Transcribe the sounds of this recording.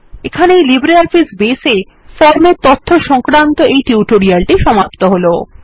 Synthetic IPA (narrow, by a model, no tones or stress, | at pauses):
ekʰanejlibɾeaɾfisbese | fɔɾmeɾt̪ot̪ʰːoʃɔŋkɾant̪oʔejʈiuʈoɾialʈiʃɔmap̚t̪oɦolo